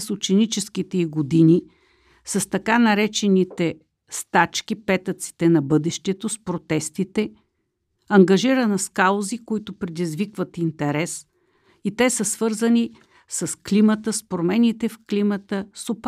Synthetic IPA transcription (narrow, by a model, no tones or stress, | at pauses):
sʊt͡ʃɛnit͡ʃɛsk̟it̪ɛiɡod̪ini | səst̪ɐkanɐɾɛt͡ʃɛnit̪ɛ | st̪at͡ʃkʲipɛt̪ət̪si̥t̪ɛnɐbɤd̪ɛʃt̪ɛt̪ospɾot̪ɛst̪it̪ɛ | ɐŋɡɐʒiɾənɐskalˠozikoit̪ʊpɾɛd̪izvikvət̪int̪ɛɾɛs | it̪ɛsəsvɤɾzəni | səsklimət̪əspɾomɛnit̪ɛfklimət̪əsop